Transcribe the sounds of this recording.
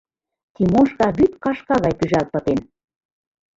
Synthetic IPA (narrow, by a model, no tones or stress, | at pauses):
t̪imoʃkɑβyt̪kɑʃkɑɣɑjpyʒælt̪̚pə̆t̪en